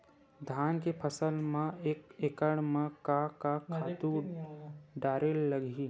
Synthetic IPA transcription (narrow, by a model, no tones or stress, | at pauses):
d̪ʱaːnkepʰəsəlmãekekəɽmãkakakʰaːt̪u | ɖaːɾelːəɡʱi